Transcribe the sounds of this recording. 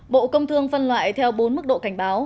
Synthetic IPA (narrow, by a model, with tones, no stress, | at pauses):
ɓo̰˧˨kə˧wŋ͡mt̪ʰɨ˧əŋfə˧nlwa̰ː˧˨jt̪ʰɛ˧wɓo˨˦nmɨ˦˥k̚ɗo̰˧˨ka˧˩jŋ̟ɓaː˨˦w